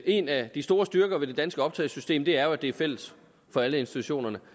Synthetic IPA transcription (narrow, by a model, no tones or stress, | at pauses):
e̝næd̥isd̥o̝ːɐsd̥ɶɐɡ̥ɐʋe̝d̥e̝d̥ænsɡ̥əɒ̽b̥t͡sʰɛ̰ːsysd̥e̝̰ːmd̥e̝æɐjo̝æd̥e̝æɐfel̰əs | fɒ̽æləe̝nsi̥t͡sʰuɕo̝̰ːnɐnə